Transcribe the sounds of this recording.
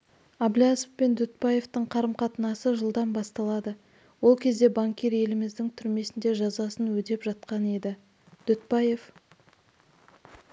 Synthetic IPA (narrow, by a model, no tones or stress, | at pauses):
ɑblʲasəfpe̞nd̪ʏt̪̚pɑje̞ft̪əɴqʰɑɾəmqʰɑt̪ənɑsəʒəlˠd̪ɑnbɑst̪ɑlˠɑd̪ə | wo̞lˠkʲʰe̞zd̪e̞baŋkʲeɾe̞lɪmɪzd̪ɪŋt̪ʰʏɾme̞sɪnd̪e̞ʒɑzɑsənwɵd̪e̞pʒɑt̪̚qɑne̞d̪ɪ | d̪̥ʏt̪pɑje̞f